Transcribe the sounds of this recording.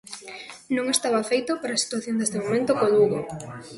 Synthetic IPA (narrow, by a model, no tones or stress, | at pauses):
nõŋest̪aβafejt̪opaɾaːsi̥t̪waθjõnd̪est̪emomẽnt̪okoluɣo̰